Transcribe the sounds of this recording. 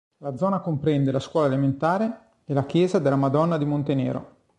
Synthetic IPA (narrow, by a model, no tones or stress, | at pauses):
lad̪zɔːnakompɾɛnd̪elaskwɔːlaelement̪aːɾe | ɛlakjɛːzad̪elːamad̪ɔnːad̪imont̪enḛːɾo̰